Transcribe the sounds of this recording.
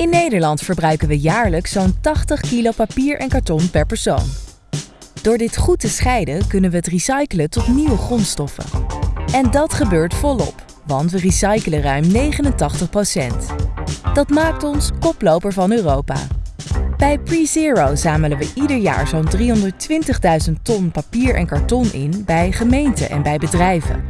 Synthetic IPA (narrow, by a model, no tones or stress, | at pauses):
ɪnːejdəɹlɑntfəɹbrœɥkənʋəjaːɹləksowntɑχtəχkilowpapiːɹʔɛnkaɹtɔnpɛɹpɛɹso̰wn | d̥ʊːɹdɪtχutəsχɛjdəkɵnənʋəɦətrisɑjkələntɔtniʋəχrɔnstɔfə̰ɛndɑtχəbøːɹtfɔlɔ̰p | ʋɑntʋərisɑjkələrœɥmnejχənəntɑχtəχprowsɛ̰ntd̥ɑtmaːk̚tɔnskɔplowpəɹvɑnøːrowpa̰ː | b̥ɛjpriziːɹowzaːmələʋəʔidəɹja̰ːɹzowndriɦɔndəɹtʋɪntəχdœɥzənttɔnpapiːɹʔɛ̰nkɑɹtɔnʔɪ̰nbɛjχəmejntə̰ʔɛ̰nbɛjbədrɛjvə̰